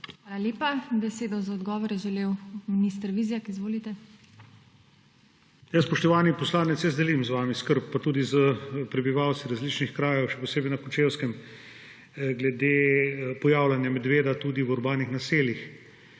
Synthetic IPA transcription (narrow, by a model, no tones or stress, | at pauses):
xʋaːlaljeːpabɛseːd̪ɔzaɔd̪ɡɔːʋɔɾɛʒɛlewminist̪ɾʋiːzijakizʋoːlit̪ɛ | jasspɔʃt̪ɔʋaːnipɔslaːnɛt̪sjɛzd̪ɛlimzʋaːmiskəɾpːat̪uːd̪izəpɾɛbiʋawt̪sʋiɾazlit͡ʃnixkɾaːjɛwʃɛpɔseːbɛjnakɔt͡ʃeːwskɛm | ɡlɛd̪eːpɔjaːwlanjamɛd̪ʋeːd̪at̪ud̪iwuɾbaːnixnaseːlix